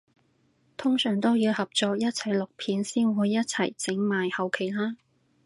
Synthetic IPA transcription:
t̪ʰʊ˥ŋsœː˨˩ŋt̪o˥wjiː˧whɐ˨p̚t͡sɔː˧k̚jɐ˥t̚t͡sʰɐ˨˩jlʊ˨k̚pʰiː˨˧˥nsiː˥nuː˨˥jjɐ˥t̚t͡sʰɐ˨˩jt͡sɪ˨˥ŋmaː˨jhɐ˨wkʰe˨˩jlaː˥

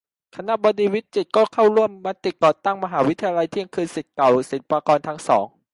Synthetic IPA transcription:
kʰa˧na˦˥ʔbɔː˧diː˧wi˦˥t̪̚t͡ɕi˨˩t̪̚kɔː˥˩kʰa˥˩wɾu˥˩əmːa˦˥t̪i˨˩kɔː˨˩t̪a˥˩ŋma˧ɦaː˩˦wi˦˥t̪ʰa˧ja˧la˧jt̪ʰi˧˥˩əŋkʰɯː˧nsi˨˩t̪̚ka˨˩wse˩˦npaː˧kɔː˧nt̪ʰa˦˥ŋsɔ̰ː˩˦ŋ

